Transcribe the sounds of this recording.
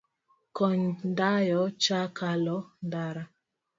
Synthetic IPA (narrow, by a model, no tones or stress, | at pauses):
kɔɲndajɔt͡ʃakalɔndaɾa